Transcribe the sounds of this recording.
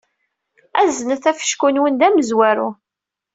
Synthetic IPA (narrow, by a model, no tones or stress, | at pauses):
æzənəθæfə̥ʃkunwənd̪æməzwæɾu